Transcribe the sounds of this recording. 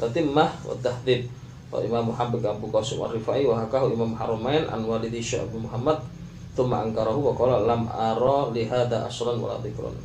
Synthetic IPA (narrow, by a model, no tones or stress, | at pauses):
t̪at̪ɪmːahwa̰t̪ːahd̪ɪb̚ | wa̰ḭmamuħambɪɡabukɔsʊmʔa̰rifaʔiwaɦakaɦuimamhaɾumaɛnʔa̰nwalid̪iʃɛ̰ʔa̰bumuɦamːad̪̚ | θʊmːaʔaŋkaɾaɦuwakɔlalamʔaɾɔliɦaðaʔa̰sɾanwa̰la̰ðɪkɾa̰n